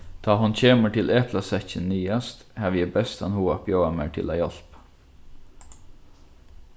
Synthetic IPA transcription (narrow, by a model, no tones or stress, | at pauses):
d̪̥ɑːhɑnçeːməʈʰɪlʔɛpʰlɑsɛçənːyːɑst̪hæːʋjəbɛst̪ɛnhuːɑpjoːɑmeːʈʰɪ̰læːjɔl̥p